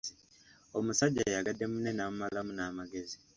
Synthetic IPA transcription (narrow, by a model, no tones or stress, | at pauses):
o̞musaɟːajaɡadːe̞mune̞namumalamunaːmaɡe̞zi